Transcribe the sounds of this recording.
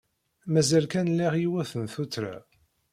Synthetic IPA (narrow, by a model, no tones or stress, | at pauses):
mæzælkænlːiʁjiwæθənθut͡sːɾa̰